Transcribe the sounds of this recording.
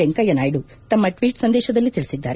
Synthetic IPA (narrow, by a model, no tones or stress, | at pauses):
eŋkɐjɐnaːjiɖu | t̪ɐmːɐʈʋiːʈsɐnd̪ɛːʃɐd̪ɐlːit̪iɭisid̪ːa̰ːɾe